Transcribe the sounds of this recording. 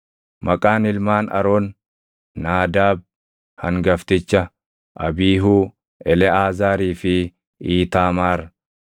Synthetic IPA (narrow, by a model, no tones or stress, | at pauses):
mʔɐkʼaːnɪlmaːnɐ̰ɾoːnː | aːd̪aːb̚ | hɐŋɡɐft̪ɪt͡ʃːɐ | ʔɐbiːɦuː | ɛlɛaːzaːɾiːfɪ | iːt̪aːmaːɾɐ